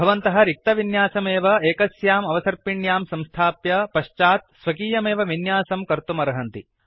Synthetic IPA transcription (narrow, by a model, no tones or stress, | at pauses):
bʱɐʋɐnt̪ɐɦɐ̆ɾik̚t̪ɐʋinjaːsɐmeːʋɐeːkɐsjaːmɐʋɐsɐɾpiɳjaːmsɐ̃mst̪ʰaːpjɐpɐʃt͡ʃaːt̪̚sʋɐkiːjɐmeːʋɐʋinjaːsɐmkɐɾt̪umɐɾɐɦɐnt̪i